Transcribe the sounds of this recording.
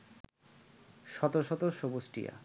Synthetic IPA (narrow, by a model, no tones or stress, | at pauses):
ʃɔt̪oʃɔt̪oʃobosʈḭja̰